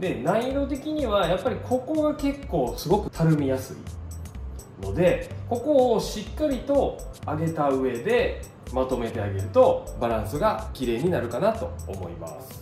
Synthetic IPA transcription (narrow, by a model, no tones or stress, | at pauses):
d̪e̞naiɾo̞t̪e̞kʲiɲ̟iβajapːaɾʲikʰo̞ko̞ɡake̞kːo̞ːsɨɡo̞kɯ̟̥t̪ʰaɾɯ̟mʲijasɨ̰ḭ | no̞d̪e̞ko̞ko̞ːɕikːaɾʲit̪o̞aɡe̞t̪aɯ̟e̞d̪e̞ | mat̪o̞me̞t̪e̞aɡe̞ɾɯ̟t̪o̞baɾãɰ̃sɨɡakʲiɾe̞ːɲ̟inaɾɯ̟kanat̪o̞̰ːmo̞̰ḭma̰sɨ̥